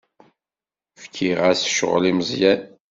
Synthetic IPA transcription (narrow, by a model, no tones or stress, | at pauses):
fkʰiʁæsʃʁliməzjæn